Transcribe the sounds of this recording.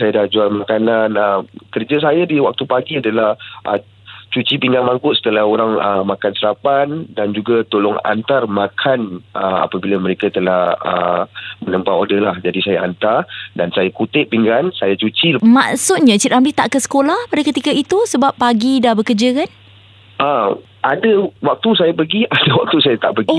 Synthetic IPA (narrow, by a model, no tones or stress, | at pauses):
sajadad͡ʒualmakananəmkərd͡ʒas̬ajadiwak̚t̪upaɡiadalahʔə̰ | t͡ʃut͡ʃipiŋɡanmaŋkʊʔ̪̚sə̥t̪əlahoɾaŋəmakansəɾapandand͡ʒuɡat̪olɔŋa̰nt̪armakʰanʔəa̰pabilaməɾekat̪əlahə̰mənəmpaodəlahd͡ʒadisajaʔant̪ardansajakut̪ɪʔ̚piŋɡansajat͡ʃut͡ʃima̰ʔsʊt̪̚ɲat͡ʃit̪ʔamlit̪aʔkəsə̥kolahpadakət̪ikait̪usəbapːaɡidahbəkərd͡ʒakan | ʔə | ʔadawak̚t̪usajapəɡiʔadawak̚t̪usajat̪aʔpəɡ